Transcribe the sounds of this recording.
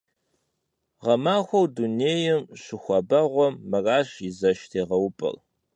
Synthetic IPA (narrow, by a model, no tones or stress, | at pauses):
ʁɐmaːxʷɔwduneːjɛmɕɪxʷɐbɐʁʷɔmːɨraːɕɪzɐʃtʰeːʁɐwʊpʼɐ̰l